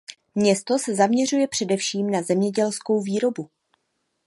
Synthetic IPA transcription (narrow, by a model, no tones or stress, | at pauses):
mɲɛst̪o̞sɛzamɲɛr̝ujɛpr̥ɛdɛfʃiːmnazɛmɲɛɟɛlsko̞wviːɾo̞bu